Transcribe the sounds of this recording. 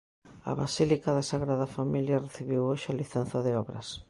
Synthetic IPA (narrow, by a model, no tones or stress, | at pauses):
ɐ̰βasilikaðasaɣɾaðɐfamiljɐreθiβiwoʃaliθan̟θɐðɪɔβɾɐ̰s